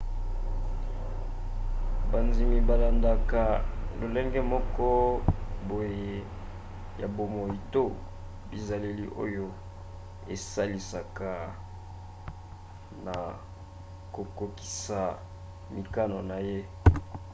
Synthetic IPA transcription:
ba˨nzi˨mi˨ba˨la˨nda˨ka˨lo˨lɛ˦ŋɡɛ˦mɔ˦kɔ˦bo˨je˨ | ja˨bo˨mo˨ji˨to˦ | bi˨za˨le˦lḭ˦ʔo̰˦jo˦ | e˨sa˦li˨sa˨ka˨ | na˨ | ko˨ko˨ki̥˨sa˨ | mi˨ka˦no˨na˨je˦

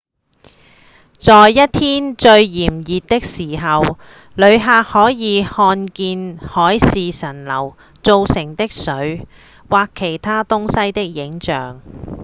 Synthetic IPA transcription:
t͡sɔː˨jːɐ˥t̚t̪ʰiː˥nt͡ʃɵ˧ɥjiː˨˩mjiː˨t̚t̪ɪ˥k̚siː˨˩ɦɐ˨w | lɵ˨˧ɥɦaː˧k̚hɔː˨˥jiː˨˧hɔː˧nkiː˧nhɔː˨˥jsiː˨sɐ˨˩nlɐ̰˨˩w | t͡so˨˧wsɪ˨˩ŋt̪ɪ˥k̚sɵ˨˧˥ɥ | waː˨kʰːe˨˩jt̪ʰaː˥t̪ʊ˥ŋsɐ˥jt̪ɪ˥k̚jɪ˨˥ŋt͡ʃœː˨ŋ

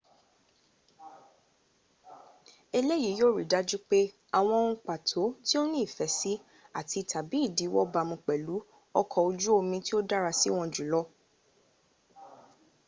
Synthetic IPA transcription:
e˧le˦ji˨˦jo˦˨ɾi˨da˦d͡ʒu˦k͡pe˦ | a˨w̃ɔ̃˧ũ˧k͡pa˨tʰo˨˦ti˦o˦nĩ˦i˦˨fɛ˨˦si˦ | a˦˨ti˧tʰa˨bi˨˦i˦˨di˨˦wɔ˦ba˧mũ˧k͡pɛ˨lu˨˦ | ɔ˦kʰɔ˧o˧d͡ʒu˦o˧mĩ˧ti˦o˦da˦ɾa˧si˦w̃ɔ̃˧d͡ʒu˨lɔ˦

